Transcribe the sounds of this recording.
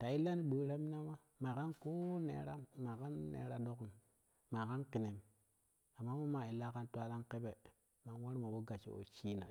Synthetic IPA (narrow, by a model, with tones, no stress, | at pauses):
ta˨i˦lːa˦ni˦ɓu˨˦ɾa˦mi˦na˦ma˦ | ma˨ka˦nko˦nḛ˨˦ɾa˦ma˨ka˦nːḛ˨˦ɾa˦ɗo˦ku˨m | ma˨ka˦nki˨ne˨m | a˨mːa˦mo˦ma˨i˨la˦ka˦ntwa˦la˦nke˦be˨ | ma˨nwa˦ɾma˨bo˦ɡa˨t͡ʃḭ˨o̰˨t͡ʃi˦na̰˨